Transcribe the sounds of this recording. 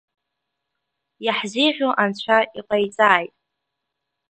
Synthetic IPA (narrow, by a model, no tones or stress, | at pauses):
jaħziʁʲoʔant͡ɕʷʰaiqʼajt͡sʼaːjtʼ